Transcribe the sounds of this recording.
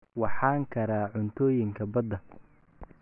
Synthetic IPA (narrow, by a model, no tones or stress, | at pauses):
wɑħɑːŋkʰɐɾaːʕʊnt̪ʰɔːjɪŋkʰɐbɐd̪ɐ